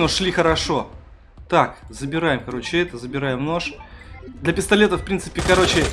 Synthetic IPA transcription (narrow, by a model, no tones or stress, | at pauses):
nolʲixəɾɐʂo̞ | t̪akzəbʲɪɾajɪmkɐɾo̞t͡ɕɪɛt̪əzəbʲɪɾajɪmno̞ʂ | d̪lʲɐpʲɪst̪ɐlʲe̞t̪əfpɾʲint̪sɨ̥pʲɪkɐɾo̞t͡ɕɪ